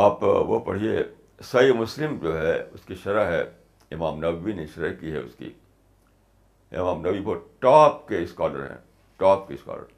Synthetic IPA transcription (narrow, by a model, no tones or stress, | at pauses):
aːpʋopɐ̰ɽ̤ie | sɐimʊslɪmd͡ʒoːɦɛʊskiʃɐɾaɦɛ̰ | ɪmaːmnɐʋːiniʃɐɾəkiɦɛ̰ʊ̰skḭ | ɪ̰maːmnɐʋiboʈaːp̚keɪskaːlə̰ɾɦɛ̰̃ | ʈaːp̚keska̰ːlə̰ɾ